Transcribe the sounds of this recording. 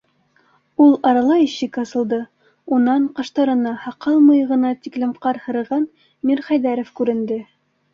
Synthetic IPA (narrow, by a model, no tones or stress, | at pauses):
ulˠɑɾɑlˠɑjĭɕɘkɑsɤ̆lˠd̪ɤ | unɑɴqɑʃt̪ɑɾɤ̆nɑhɑqɑlˠmɤ̆jɤʁɤ̆nɑt̪iklɘ̆mqɑɾhɤ̆ɾɤ̆ʁɑn | miɾχæjðæɾofkʉɾɘ̆nd̪ɘ